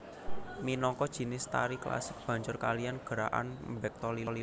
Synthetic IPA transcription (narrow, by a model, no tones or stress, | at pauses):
minɔŋkɔd̥ʒ̥i̤nɪst̪a̰ɾikla̰sɪk̚b̥a̤ɲd͡ʒʊrkalianɡ̥ə̤ɾaʔa̰nmbɛk̚t̪ɔlili